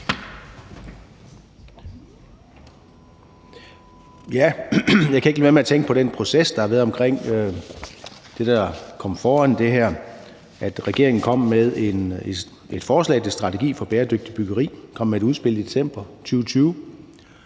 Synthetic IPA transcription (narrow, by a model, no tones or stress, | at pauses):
jæjɑkʰæe̝ɡ̥liʋeæɐmeæt͡sʰeŋɡ̥əpʰɒ̽ɾ̥enpʰʁo̝sesd̥ɑ̈hɑ̈ʋæːɐðˠɒ̽mkʰʁeŋ̰ | d̥e̝d̥ɑ̈kʰɒ̽m̰fɒːænd̥e̝ɦæɐ̰ | ʔæd̥ʁɛɡ̥e̝ɐe̝ŋn̩kʰɒ̽m̰meðˠe̝n | ʔe̝d̥fɒːslɛ̰ːt͡sʰe̝sd̥ʁɑ̈t͡sʰe̝ɡ̥ḭːfɒ̽b̥eːɐd̥øɡ̥̚d̥ib̥yɡ̥ɐʁḭːkʰɒ̽m̰ːeæd̥uð̞ˠsb̥e̝ləid̥e̝sem̰b̥ɐt͡sʰyːʊt͡sʰyːʊ